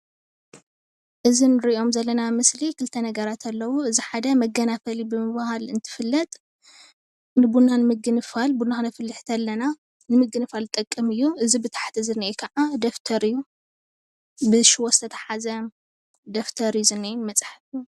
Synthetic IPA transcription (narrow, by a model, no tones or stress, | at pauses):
ʔɨzinɨɾiʔo̞mzɐlːɐnamɨslikʰɨlt̪ʰɐnɐɡɐɾat̪ʰɐlːɐwuɨziħad̪ɐmɐɡɐnafɐlibɨmɨβahalɨnt̪ʰɨ̥fɨlːɐt̪ʼ | nɨbunːanɨmɨɡɨnɨfalbunaxɨnɐfɨlːɨħt̪ʰɐlːɐna | nɨmɨɡɨnɨfalt̪ʼɐkʼːɨmɨjːuɨzibɨt̪ʰḁħt̪ʰizɨnejkʰɐʕad̪ɐft̪ʰɐɾɨjːu | bɨʃɪwosɨt̪ʰɐt̪ʰɐ̥ħazɐ | d̪ɐft̪ʰɐɾɨjuzɨnːijmɐt͡sʼħfju